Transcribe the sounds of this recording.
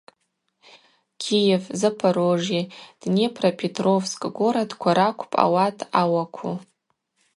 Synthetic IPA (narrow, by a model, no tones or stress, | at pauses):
kʲʰijevzɨpʰaɾoʐid̥nepʰrapʰetʰʼrovskʼɡʷoɾadkʷʰaɾakʷʰpʼa̰watʼʰawakʷʰu